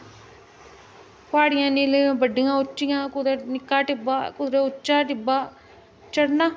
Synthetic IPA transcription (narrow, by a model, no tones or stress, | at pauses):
paːɽɪjãːniːlbəɖɪjãːʊt͡ʃːɪjãːkʊd̪nɪkːaːʈɪbaːkʊd̪ɾeʊt͡ʃːaːʈɪbaː | t͡ʃəɽnãː